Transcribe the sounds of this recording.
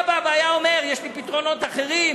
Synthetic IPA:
baveajao̞me̞ʁjeʃlipit̪ʁo̞no̞t̪aχe̞ʁim

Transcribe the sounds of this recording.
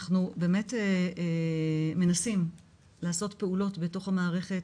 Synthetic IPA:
χnube̞ːme̞te | me̞nasim | laːso̞tpe̞ulo̞tbe̞to̞χhamaːʁe̞χe̞t

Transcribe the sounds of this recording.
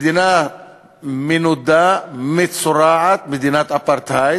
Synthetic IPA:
d̪ɪna | mɪnʊd̪ːamɪt̪sʊɾaːʕɐt̪̚mɪd̪ɪnɐt̪ɐpːɐɾt̪ʰaj

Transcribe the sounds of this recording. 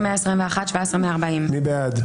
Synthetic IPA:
meaesʁimveaχatʃvaesʁemeaːʁbaimmibead̪

